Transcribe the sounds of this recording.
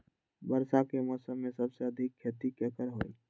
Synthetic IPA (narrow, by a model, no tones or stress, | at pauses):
bəɾsakemɔːsəmːẽsɐbseɐd̪ʱɪkʰːeːt̪ikːekəɾɦoːiː